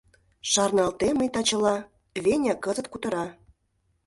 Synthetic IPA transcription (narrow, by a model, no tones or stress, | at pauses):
ʃɑrnɑlt̪eməjt̪ɑt͡ɕə̆lɑ | βenʲɑkə̆zə̆t̪̚kut̪ə̆ɾɑ